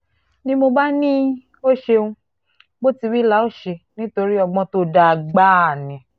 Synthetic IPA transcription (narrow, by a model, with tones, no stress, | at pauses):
nĩ˦mo˧ba˦nĩ˦ | o˦ʃe˧ũ˧ | bo˦ti˧wi˦la˦o˦ʃe˧nĩ˦to˧ɾi˦ɔ˧ɡ͡bɔ̃˧to˦da˧˨ɡ͡ba˦a˨nĩ˨